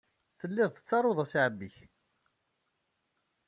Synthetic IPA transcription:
θəlːiðˤθə̥t͡sːɑɾˤoðˤæsʕəbːiç

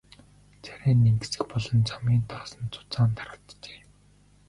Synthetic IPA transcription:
t͡sʰæ̥ɾʲeːnːeŋɡɘ̆sɘ̆xpɔɮɞ̆nt͡samʲiːnt̪ʰɔːsə̆nt͡sʊ̥t͡saːnt̪ʰaɾə̆ɬt̪t͡ɕe̥ː

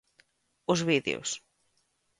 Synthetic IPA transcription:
ʊzβiðḛo̰s

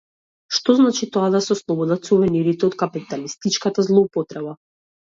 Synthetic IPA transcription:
ʃt̪ɔznat͡ʃit̪ɔad̪asɛɔslˠɔbɔd̪at̪suvɛniɾit̪ɛɔt̪kapit̪alist̪it͡ʃkat̪azlˠɔupɔt̪ɾɛba

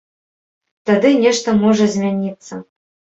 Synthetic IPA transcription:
t̪ad̪ɨnʲɛʂt̪ɐmɔʐɐzʲmʲanʲit̪sːɐ

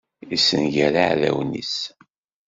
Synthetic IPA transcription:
isːənʝæɾaʕðæ̰wnḭs

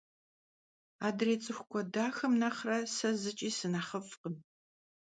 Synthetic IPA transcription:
aːdreːt͡sʼɨxʷkʷʰʼɔdaːxɐmnɐχrɐsɐzɨt͡ʃʼiːsɨnaχəfqəm

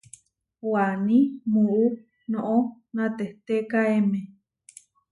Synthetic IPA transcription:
wanĩmuʔu | noʔonãt̪eht̪ekaeme

